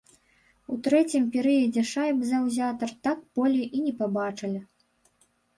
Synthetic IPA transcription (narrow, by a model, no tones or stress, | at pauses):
ut̪ɾɛt͡sʲimpʲɛɾɨjɐd͡zʲɛʂajbzawzʲat̪ɐrt̪akbɔlʲɛʔinʲɛpabat͡ʂɨlʲi